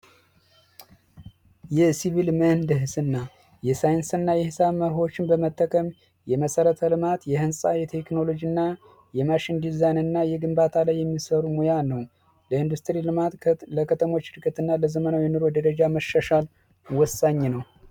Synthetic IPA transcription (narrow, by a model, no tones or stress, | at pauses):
jɛsiβilmənd̪ɨɦsɨnːa | jɛsajɨnsɨnːajɛhɨsaβməɾɦo̞t͡ʃːɪnbəmət̪ʰʼːəkʰʼəm | jɛməsəɾət̪ʰəlɨmat̪jɛhɨnsʼajɛt̪ʰe̞kno̞lo̞d͡ʒinːa | jɛmaʃind̪izajnɨnːajɛɡɨmbat̪ʰalajːɛmːisəɾumojanəw | ləɨnd̪ust̪ɾilɨmat̪ləkʰət̪ʰəmo̞t͡ʃːɨɾkʼːɨt̪ɨnːaləzəmənawinɨɾo̞d̪əɾəd͡ʒaməʃːaʃal | wɔsːaɲːnəw